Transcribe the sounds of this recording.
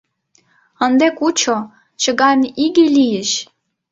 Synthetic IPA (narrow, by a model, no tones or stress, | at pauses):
ənd̪ekut͡ɕo | t͡ɕə̆ɣɑnʲiɣelijɘɕ